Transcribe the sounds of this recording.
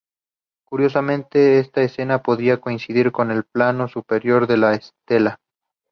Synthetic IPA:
kuɾjo̞s̬amẽ̞nt̪e̞est̪aese̞napo̞ðɾiako̞insiðiɾko̞ne̞lplano̞supe̞ɾjo̞ɾðe̞laest̪e̞la

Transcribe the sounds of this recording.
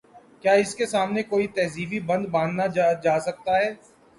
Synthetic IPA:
kjaːɪskesaːmnekoːit̪ɛːziːbibɐ̃nd̪bãːnd̪nad͡ʒaːsɐk̚t̪aɦɛː

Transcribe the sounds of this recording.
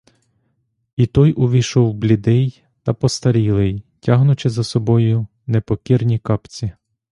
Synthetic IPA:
it̪ɔjʔʊʋʲiʃɔwblʲid̪ɛj | t̪ɐpɔst̪ɐɾʲilˠɪjtʲɑɦnʊt͡ʃɪzɐsɔbɔjʊ | nepɔkʲirnʲikɑpt͡sʲi

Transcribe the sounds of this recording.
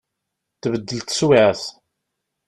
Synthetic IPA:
θvəd̪ːəlt̪swaθ

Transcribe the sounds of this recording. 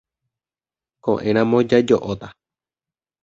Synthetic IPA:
kõ̰ʔẽ̞ɾ̃ãmõd͡ʒad͡ʒo̰ʔot̪a

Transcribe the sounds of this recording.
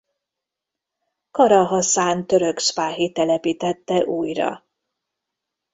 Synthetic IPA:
kɒɾɒɦɒsaːnt̪ø̞ɾø̞kʃpaːɦit̪ɛlɛpiːt̪ɛt̪ːɛʔuːjrɒ̰

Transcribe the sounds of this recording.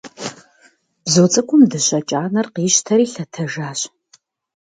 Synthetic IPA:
b̥zoːt͡sʼɐkʷʼʊmdɨɕɐt͡ʃʼaːnɐrqiːɕtʰɐɾiːɬɐtʰɐʒaːɕ

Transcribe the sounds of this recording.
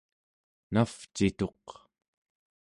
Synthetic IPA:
naft͡ʃit̪o̞q

